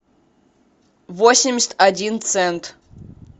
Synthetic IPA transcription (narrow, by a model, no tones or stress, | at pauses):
vosʲɪmʲɪsʲt̪ʲadʲint̪sɛnt̪